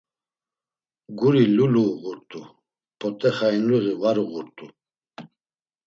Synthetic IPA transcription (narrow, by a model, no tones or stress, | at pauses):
ɡuɾiluluɣuɾt̪ʼu | pʰɔt̪ʼɛχainluɣivaɾuɣuɾt̪ʼu